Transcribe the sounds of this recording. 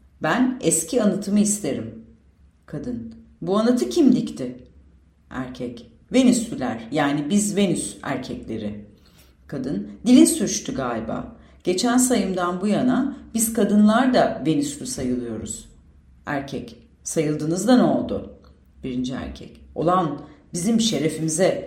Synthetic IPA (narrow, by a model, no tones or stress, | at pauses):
bænɛscʰianat̪ʰɯmɯist̪ʰe̞ɾim | kʰad̪ɯn | buanat̪ʰɯcʰimlʲict̪ʰɪ | æ̰ɾcʰɛc | ve̞nyslʲylʲæɾ̥jaːnibizve̞nysæ̰ɾcʰɛclʲe̞̰ɾɪ | kʰad̪ɯnd̪ilʲinsyɾt͡ʃt̪ʰyɡaːlʲiba̰ː | ɟ̥e̞t͡ʃʰænsajɯmd̪anbujanab̥iz̥kʰad̪ɯnlˠaɾd̪ave̞nislʲysajɯlˠɯjo̞ɾṵz̥ | æ̰ɾcʰɛc | sajɯlˠd̪ɯːnɯzd̪anɛo̞lˠd̪ʊ̰ | b̥iɾind͡ʒiæ̰ɾcʰɛ̰co̞̰lˠanbizimʃe̞ɾe̞fimizɛ